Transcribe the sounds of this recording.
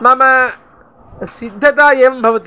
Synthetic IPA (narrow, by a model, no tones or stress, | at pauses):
mamɐ | sid̪ʱːɐt̪aːjeːʋɐmbʱɐʋɐt̪